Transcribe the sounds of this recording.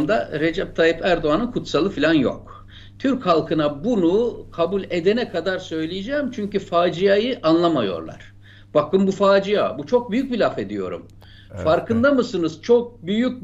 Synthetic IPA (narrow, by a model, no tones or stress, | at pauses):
d̪aɾe̞d͡ʒɛp̚t̪ʰajɯpæɾd̪oanɯnkʰut̪salˠɯfilʲanjo̞̰k | t̪ʰyɾchalˠkʰɯnabunukʰabulʲe̞d̪e̞nɛkʰad̪aɾsø̞jlʲijed͡ʒɛːmt͡ʃʰyɲcyfaːd͡ʒijajɯʔanlˠamajo̞̰ɾlˠa̰ɾ̥ | b̥akɯmbufaːd͡ʒijabut͡ʃʰo̞k̚byjyc̚bilʲafe̞d̪ijo̞̰ɾṵm | faɾkʰɯnd̪amɯsɯnɯzt͡ʃʰo̞k̚byjyc̚ʲ